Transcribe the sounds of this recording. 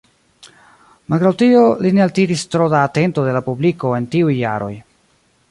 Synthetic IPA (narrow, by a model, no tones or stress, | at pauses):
malɡɾawtio̞line̞altiɾistɾodaːte̞ntode̞lapubliko̞e̞ntiujːa̰ɾo̞̰j